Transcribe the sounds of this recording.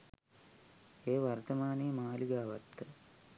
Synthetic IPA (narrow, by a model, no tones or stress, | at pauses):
eːʋɐɾt̪ɐmaːniːmaːliɡaːʋɐt̪ːɨ